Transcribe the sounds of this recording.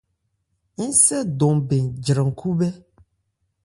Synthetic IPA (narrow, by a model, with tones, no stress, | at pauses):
ŋ̩̃˦sɛ˦dɔ˨mbe˨nd͡ʒɾɛ̃˨ŋ̩˨kʰu˦bɛ˦